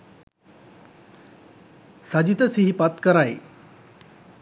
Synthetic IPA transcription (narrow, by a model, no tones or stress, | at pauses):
sad͡ʒit̪əsiɦipat̪kəɾaj